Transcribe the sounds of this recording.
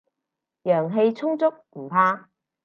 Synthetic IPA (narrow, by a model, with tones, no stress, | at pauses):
jœː˨˩ŋɦe˧jt͡sʰʊ˥ŋt͡sʊ˥k̚m̩˨˩pʰaː˧